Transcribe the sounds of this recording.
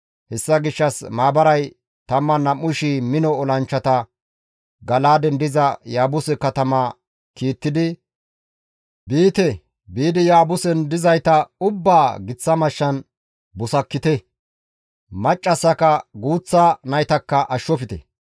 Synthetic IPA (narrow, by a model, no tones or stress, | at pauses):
hɛsːɐɡɪʃːɐsmaːbɐɾɐj | t̪ɐmːɐnɐmʊʃiːmɪnɔːlɐnt͡ʃːɐt̪ɐ | ɡɐlaːd̪ɛnd̪ɪzɐjaːbʊsɛkɐt̪ɐmaː | kiːt̪ːɪd̪ɪ | biːt̪ɛ | biːd̪ɪjaːbʊsɛnd̪ɪzɐjt̪ɐʊbːaːɡɪt͡sːɐmɐʃːɐn | bʊsɐkːɪt̪ɛ | mɐt͡ʃʼːɐsːɐkɐɡuːt͡sːanɐjt̪ɐkːɐʔɐʃːɔfɪt̪ɛ̰